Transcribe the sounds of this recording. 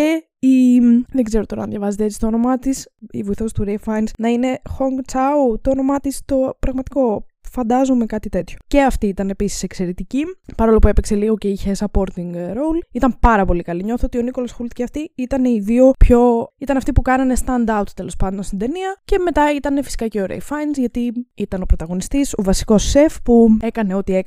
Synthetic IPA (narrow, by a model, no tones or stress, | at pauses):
e | imðeɡze̞ɾot̪o̞ɾɐnðjʝɐvɐzet̪eet͡sist̪ono̞mɐt̪isḭvoiθo̞st̪uɾefɐjnsnɐine̞xoŋɡt͡sɐut̪oːno̞mɐt̪ist̪o̞pɾɐɣmɐt̪i̥ko̞fɐnd̪ɐzome̞kɐt̪it̪e̞t̪ço̞̥ce̞ɐft̪iit̪ɐne̞pisi̥se̞kse̞ɾet̪icipɐɾo̞lopue̞pekse̞liɣo̞ceiçesɐpo̞ɾt̪iŋɡɾo̞wlit̪ɐmpɐɾɐpo̞likɐliɲo̞θoot̪io̞niko̞losxult̪ceɐft̪iit̪ɐne̞iðio̞pço̞it̪ɐnɐft̪ipukɐnɐne̞st̪ɐnd̪ɐwt̪t̪e̞lo̞spɐnd̪o̞nst̪ind̪e̞niɐce̞me̞t̪ɐit̪ɐne̞fisi̥kɐceoɾḛjfɐjnzʝɐt̪iit̪ɐno̞pɾo̞t̪ɐɣo̞nist̪iso̞vɐsi̥ko̞sːefpue̞kɐne̞o̞t̪ie